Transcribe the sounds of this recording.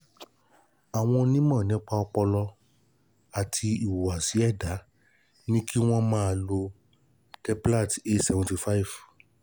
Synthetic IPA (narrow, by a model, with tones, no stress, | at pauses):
a˨w̃ɔ̃˧nĩ˦mã˦˨nĩ˨˦k͡pa˧ɔ˧k͡pɔ˧lɔ˧ | a˨tʰi˧i˨wo˨wa˨si˨˦ɛ˦˨da˨˦ | nĩ˦ki˦w̃ɔ̃˦mãː˦a˧˨lo˧ | tɛ˧˦pu˦la˦˨te˦tsɛ˧vɔ̃˧nti˧fa˦i˨v̥